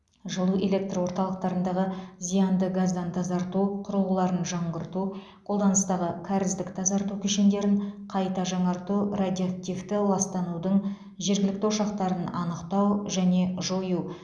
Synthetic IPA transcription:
ʒəlˠue̞lʲe̞k̚t̪rwo̞ɾt̪ɑlˠəq̚t̪ɑɾənd̪ɑʁəzijɑnd̪əɡazd̪ɑnt̪ʰɑzɑɾt̪uqʰʊɾəlˠəlˠɑɾənʒɑɴʁəɾt̪u | qʰolˠd̪ɑnəst̪ɑʁəkʲʰaɾɪzd̪ɪkt̪ʰɑzɑɾt̪ukʲʰɵʃend̪e̞ɾɪɴqʰɑjt̪ɑʒɑɴɑɾt̪urad̪ʲiak̚t̪ʲijft̪ɪlˠɑst̪ɑnud̪əɴ | ʒe̞ɾɡʲɪlɪk̚t̪ɪwoʃɑqt̪ɑɾənɑ̰nəqt̪ɑwʒæne̞ʒo̞ju

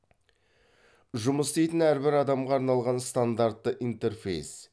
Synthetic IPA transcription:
ʒʊməst̪ejt̪ɪnæɾbɪɾɑd̪ɑmʁɑːɾnɑlˠʁɑnst̪and̪art̪ːəʔint̪e̞rfḛjs

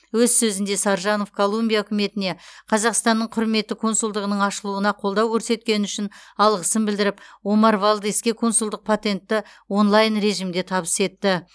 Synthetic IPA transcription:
wɵzsɵzɪnd̪e̞sɑɾʒɑno̞fkʰolˠumbʲijaɵkʲɪme̞t̪ɪne̞qʰɑzɑqst̪ɑnːəɴqʰʊɾme̞t̪ːɪkʰo̞nsʊlˠd̪əʁənəɴɑʃəlˠuənɑqʰo̞lˠd̪ɑwkʲʰɵɾse̞t̪kʲe̞nɪʏʃɪnɑlˠʁəsənbɪld̪ɪɾɪpwo̞mɑɾvalˠd̪eskʲekʰo̞nsʊlˠd̪əq̚pʰot̪e̞nt̪ːɪwo̞nlˠɑjnɾe̞ʒimd̪e̞t̪ʰɑβəse̞t̪ːɪ

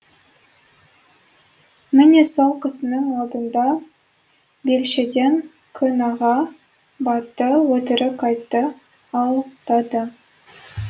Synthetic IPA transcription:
mɪnesowqʰəsənəɴɑlˠd̪ənd̪ɑ | belʃed̪e̞ŋ | kʲʰʏnɑʁɑ | bɑt̪ːəwɵt̪ɪɾɪkɑjt̪ːə | ɑlˠt̪ɑd̪ə

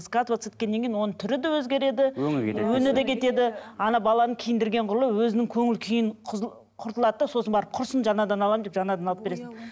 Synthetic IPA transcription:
skat̪vat̪set̪kʲe̞nːe̞ŋʲkʲejnwo̞nət̪ʰʏɾɪd̪ewɵzɡʲe̞ɾe̞d̪ɪɵŋʲḛwɵnɪd̪ekʲʰe̞t̪e̞d̪ɪɑnɑbɑlˠɑnəkʲʰijɪnd̪ɪɾɡʲe̞ɴqʰʊɾlˠəwɵzɪnɪŋkʲʰɵŋɪlkʲʰijɪɴʰ | qʰʊɾt̪əlˠɑd̪əd̪ɑso̞sənbɑɾəp̚qʰʊɾsənʒɑnɑd̪ɑnɑlˠɑmd̪epʒɑnɑd̪ɑnɑlˠəpbeɾe̞sɪn

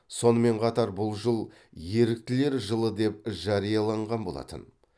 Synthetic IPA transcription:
so̞nəme̞ɴqʰɑt̪ɑɾbʊlˠʒəlˠ | je̞ɾɪk̚t̪ɪle̞ɾʒəlˠəd̪e̞p̚ʒɑɾijɑlˠɑɴʁɑnbo̞̰lˠɑ̰t̪ə̰n

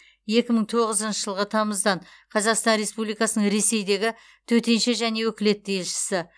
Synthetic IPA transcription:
je̞kʲɪməɴt̪ʰo̞ʁəzənʃəʒəlˠʁət̪ʰɑməzd̪ɑnqʰɑzɑqst̪ɑnɾe̞spublijkɑsənəɴɾe̞se̞jd̪e̞ɡʲɪ | t̪ʰɵt̪e̞nʃe̞ʒæne̞wɵkʲɪle̞t̪̚ːejelʃɪ̥sɪ

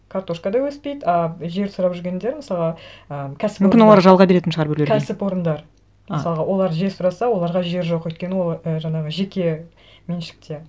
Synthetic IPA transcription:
kʰaɾt̪o̞ʃkad̪ɑwɵspe̞jd̪ɑʒe̞ɾsʊɾɑpʒʏɾɡʲe̞nd̪e̞ɾməsɑlˠʁɑəkʲʰæsɪ̥pmkʲɪnwolˠɑɾʒɑlˠʁɑbeɾe̞t̪ɪnʃəʁɑɾbʏɾlekʲʰæsɪpo̞ɾənd̪ɑɾ | məsɑlˠəʁɑwo̞lˠɑɾʒe̞ɾsʊɾɑsɑwo̞lˠɑɾʁɑʒe̞ɾʒo̞qwɵjt̪̚kʲenɪwo̞lˠəʒɑɴɑʁəʒe̞kʲe̞ | me̞nʃɪ̥k̚t̪ʰe̞

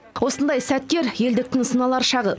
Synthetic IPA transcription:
wo̞sənd̪ɑjsæt̪ːe̞ɾje̞ld̪ɪk̚t̪ɪŋsənɑlˠɑɾʃɑʁə

